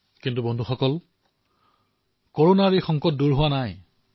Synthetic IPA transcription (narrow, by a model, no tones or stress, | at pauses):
kintubɔndʱuxɔkɔl | koɹonaɹexɔŋkɔt̚duɹɦʊwanaj